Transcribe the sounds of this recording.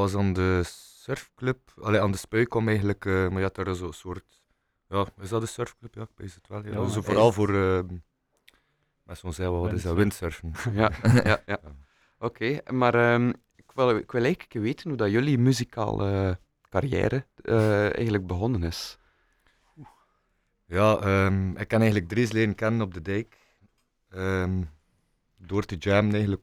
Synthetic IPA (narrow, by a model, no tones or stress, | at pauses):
ɑzɑːndəsœrfkløp̚ɑleːɑːndəspœɥkɔmɛjɣənləkəːmajɑːdɑɾɪszoːəsoːrt | jɑːɪzdɑdəsœrfkløpjɑɪk̚beszətʋɛlˠezovoːɾɑlˠvoːɾə | mɛsonzɛʋɛʋɑtɪzʋɪntsørfənjaja̰ja | okʰeːmaːɾəːm | ɪkʋɪlɪkwɪlˠɛjɣənə̥kəʋeːtənudɑjɵlimyzika̰ːlə | karjɛ̰ːɾəəɛ̰jɣəndləɡ̚bəɣɔnənɪs | u | jaːəːmɪkːɑnɛənləɡ̚drisleːdənkɛnənɔb̚dədɛjk | əm | doːrtəd͡ʒamənɛɣən̩lək